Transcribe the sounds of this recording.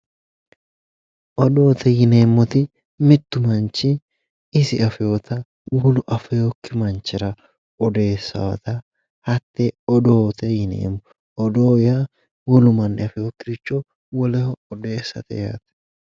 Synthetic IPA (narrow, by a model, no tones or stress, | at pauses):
ʔɔd̪oːt̪ɛjɪneːmːɔt̪ɪ | mɪt̪ːʊmɐnt͡ʃɪ | ɪsɪɐfɛot̪ɐ | wɔlʊʔɐfɛjokːɪmɐnt͡ʃːɪɾɐ | ɔd̪e̞ːsːɐ̰wɐ̰t̪ɐ | hɐt̪ːɛɔd̪oːt̪ɛjɪnḛːmːɔ | ɔd̪oːja | wɔlʊmɐnːɛɐfɛjokːɪɾɪt͡ʃːɔ | wɔlɛhɔːd̪e̞ːsːɐ̰t̪ɛ̰ja̰ːt̪ɛ̥